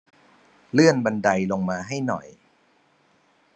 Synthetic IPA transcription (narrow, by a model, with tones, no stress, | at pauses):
lɯ˥˩ənba˧nda˧jlo˧ŋmaː˧ɦa˥˩jnɔ̰˨˩j